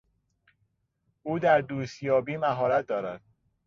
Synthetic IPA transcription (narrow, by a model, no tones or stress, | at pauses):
ʔuːd̪æɾd̪uːst̪jɒːbiːmæɦɒːɾæt̪̚ʰd̪ɒːɾæd̪̥̚